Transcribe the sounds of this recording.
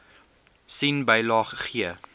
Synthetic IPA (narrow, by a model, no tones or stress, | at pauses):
sinbəjlɑːχəχiə